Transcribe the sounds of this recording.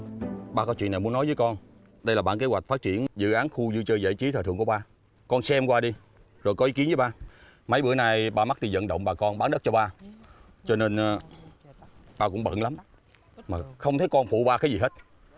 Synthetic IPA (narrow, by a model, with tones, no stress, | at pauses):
ɓaː˧kɔ˨˦t͡ɕwḭ˧˨nːa˨˩ju˨˦˥nɔ˨˦jvəː˨˦jkɔ˧n | ɗə˧jlaː˨˩ɓa̰ː˧˨nke˨˦zwa˨˩k̟̚faː˦˥t̚t͡ɕi˧˨ənzɨ̰˧˨ʔaː˨˦nxu˧zɨ˧t͡ɕəː˧jzə̰˧˨jt͡ɕi˨˦t̪ʰːt̪ʰɨ˧˨əŋku˧˩˦ɓaː˧ | kɔ˧nsɛ˧mkwaː˧ɗi˧ | zo˨˩jkɔ˨˦ʔi˨˦˥ki˨˦ənvːjɓaː˧ | mə˨˦jɓɨ̰˧˩əjna˧˩jɓaː˧ma˦˥t̚ɗi˧zə̰˧˨nɗə̰˧˨wŋ͡mɓaː˨˩kɔ˧nɓaː˨˦nɗə˦˥t̚t͡ɕɔ˧ɓaː˧ | t͡ɕɔ˧ne˧nː˨ | ɓaː˧kʊ̰˧˥ŋ͡mɓə̰˧˨nla˨˦m | maː˨˩xə˧wŋ͡mt̪ʰe˨˦kɔ˧nfṵ˧˨ɓaː˧kaː˨˦jzi˨˩ɦe˦˥t̚